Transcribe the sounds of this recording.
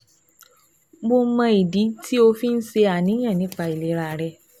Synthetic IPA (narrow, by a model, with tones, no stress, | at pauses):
bo˧˦mã˧i˨di˨˦tʰi˦o˧fi˦n̩˦se˧a˨nĩ˨˦j̃ã˦˨nĩ˨˦k͡pa˧i˨le˨˦ɾa˧˨ɾɛ˧